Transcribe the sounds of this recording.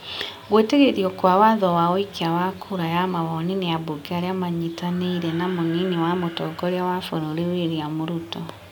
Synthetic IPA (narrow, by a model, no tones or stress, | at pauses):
ɣweteɣeðiɔkwawaðɔwaɔikʰeawakʰuɾajamaβɔnineaboɡeaɾeamaɲitaneiɾɛnamoniniwamotɔɡɔɾjawafoɾoɾeweɾiamoɾutɔ